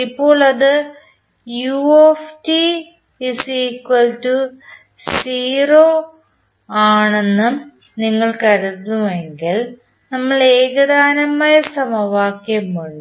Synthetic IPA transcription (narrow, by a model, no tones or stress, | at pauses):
ipːo̞ːɭɐðɨ | juefti | isiːkwɐltu | siːroː | aːɳe̞nːɨ | niŋːɐɭkɐɾut̪ːumeŋɡil | nɐmːɐɭeːɡɐðaːnɐmaːjɐsɐmɐʋaːkjɐmːuɭu